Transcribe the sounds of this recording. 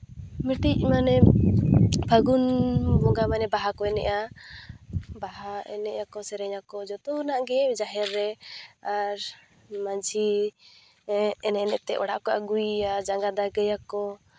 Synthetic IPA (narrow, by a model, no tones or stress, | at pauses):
mɛʈic̚manɛ | bʰʱaɡunbɔɡamanɛbaɦakɔɛnɛ̰ʔa | baɦaɛ̰nɛʔakɔsɛɾɛɲakɔd͡ʒɔt̪ɔnaʔɡɛd͡ʒaɦɛɾːɛaɾ | maɲd͡ʒʱi | ɛnɛnɛʔt̪ɛʔɔɽaʔkɔʔaɡujad͡ʒaŋɡad̪aɡɛjakɔ